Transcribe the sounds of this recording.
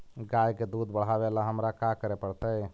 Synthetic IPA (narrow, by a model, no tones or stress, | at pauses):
ɡajked̪ud̪bəɽ̤abelaɦəmɾakakəɾepəɽt̪əj